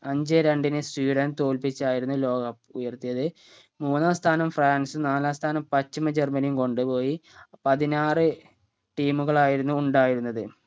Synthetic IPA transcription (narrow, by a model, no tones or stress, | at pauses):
ɐɲd͡ʑɨɾeɳɖinɨswiːɽɐnt̪o̞ːlpit͡ɕːaːjiɾunːulo̞ːɡɐpujɐrt̪ijɐðɨ | muːnːaːst̪ʰaːnɐmfraːnsɨnaːlaːst̪ʰaːnɐmpɐt͡ɕːimɐd͡ʑermɐnijumko̞ɳɖɨpo̞ːjipɐðinaːrɨ | ʈiːmuɣɐɭaːjiɾunːuːɳɖaːjiɾunːɐðɨ